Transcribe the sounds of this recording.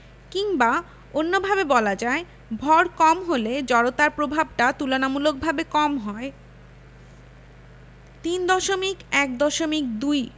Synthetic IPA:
kiŋba | onːobʱabebɔlad͡ʑae | bʱɔɾkɔmɦoled͡ʑɔɽot̪aɾpɾobʱab̚ʈat̪ulonamulok̚bʱabekɔmɦɔe | t̪ind̪ɔʃomikɛk̚d̪ɔʃomik̚d̪uj

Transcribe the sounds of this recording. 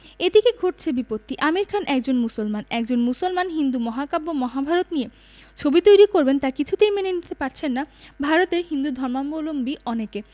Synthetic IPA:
ed̪ikeɡʱoʈ̚t͡ɕʰebipot̪ːiʔamiɾkʰanʔɛk̚d͡ʑonmusolmanɛkd͡ʑonmusolmanɦind̪umɔɦakabomɔɦabʱaɾot̪nije | t͡ɕʰobit̪ojɾikoɾbent̪akit͡ɕʰut̪ejmenenit̪epaɾt͡ɕʰenːabʱaɾot̪eɾɦind̪ud̪ʱɔɾmamolombiɔneke

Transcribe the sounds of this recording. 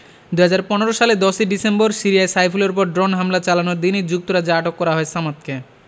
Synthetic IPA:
d̪uɦad͡ʑaɾpɔneɾoʃaled̪ɔʃiɖisemboɾsiɾijaesajfʰuleɾp̬ɔɾɖɾonɦamlat͡ɕalanoɾd̪inid͡ʑuk̚t̪oɾad͡ʑeaʈokːɔɾaɦɔesamat̪̚ke

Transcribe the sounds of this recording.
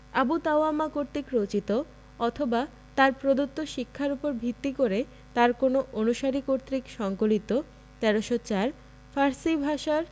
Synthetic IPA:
abut̪aoamakoɾt̪ikɾot͡ɕit̪o | ɔt̪ʰoba | t̪aɾpɾod̪ot̪ːoʃikʰːaɾupoɾbʱit̪ːikoɾe | t̪aɾkonoʔonuʃaɾikoɾt̪ɾikʃɔŋkolit̪o | t̪ɛɾoʃot͡ɕaɾ | faɾsibʱaʃaɾ

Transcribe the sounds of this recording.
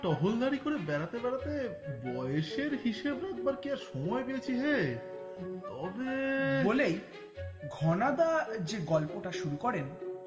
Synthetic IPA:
ʈɔɦold̪aɾikoɾebɛɾat̪ebɛɾat̪e | bɔjeʃeɾɦiʃebɾaɛɡ̪̚baɾkiaɾʃɔmɔepejet͡ɕʰiɦe | t̪ɔbebolej | ɡʱɔnad̪ad͡ʑeɡɔlpoʈaʃuɾukɔɾen

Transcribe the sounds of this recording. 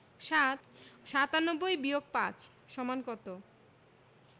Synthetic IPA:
ʃat̪ʃat̪anobːojbiok̚pat͡ɕ | ʃɔmankɔt̪o

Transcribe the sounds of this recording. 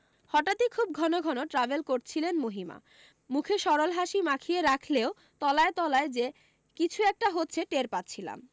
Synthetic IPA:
hɔʈat̪ikʰub̚ɡʱɔnoɡʱɔnoʈɾabelkoɾt͡ɕʰilenmoɦima̰ | mukʰeʃɔɾolɦaʃimakʰieɾakʰleo | t̪ɔlaet̪ɔlaed͡ʑe | kit͡ɕʰuɛk̚ʈaɦotːɕʰeʈeɾpatːɕʰila̰m

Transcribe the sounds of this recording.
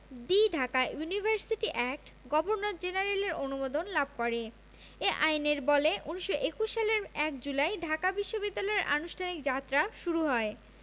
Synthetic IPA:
d̪iɖʱakajunibʱaɾsiʈiʔɛk̚ʈɡɔbʱoɾnot̪d͡ʑenaɾeleɾonumod̪onlab̚ʱkɔɾe | eʔajneɾbɔleʔuniʃːoʔekuʃːaleɾɛkd͡ʑulaeɖʱakabiʃːobid̪ːalɔeɾʔa̰nuʃʈʰanikd͡ʑat̪ːɾaʃuɾuɦɔe

